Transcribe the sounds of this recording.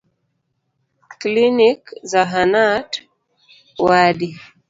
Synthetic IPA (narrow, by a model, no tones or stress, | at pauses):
klinikzaɦanat | waɗi